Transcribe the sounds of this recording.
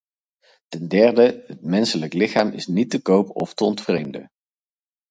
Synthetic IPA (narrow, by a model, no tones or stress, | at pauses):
tɛndɛɹdəət̚mɛnsələklɪχaːmɪ̰snitəkowpɔftəɔntfrejmdə̰